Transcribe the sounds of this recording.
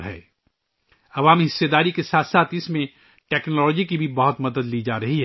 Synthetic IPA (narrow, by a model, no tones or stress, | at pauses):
ɦɛ̰ː | ɐʋaːmiɦɪsːed̪aːɾikesaːt̪ʰsaːt̪ɪsmẽ | ʈɛːknɔllɔd͡ʒikibʱibɐɦʊt̪mɐd̪əd̪liːd͡ʒaːɾɐɦiɦ